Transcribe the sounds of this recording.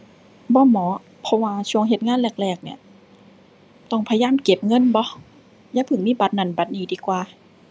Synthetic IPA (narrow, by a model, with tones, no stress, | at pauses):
bɔː˧˦mɔː˨˦ | pʰɔ˧waː˧t͡ɕʰu˧˩əŋɦe˧˦t̪̚ŋaː˧˥˨nlɛː˧˩k̚lɛː˧˩k̚ni˧˩ɐ | t̪ɔ˧˩ŋpʰa˧jaː˧˥˨mke˧˦p̚ŋɤ˧˥˨nbɔ˧˦ | jaː˧˥˨pʰɯ˨˩˦ŋmiː˧˥˨ba˧˦t̪̚na˧˩nba˨˧˦t̪̚niː˨˦diː˧˦kwaː˧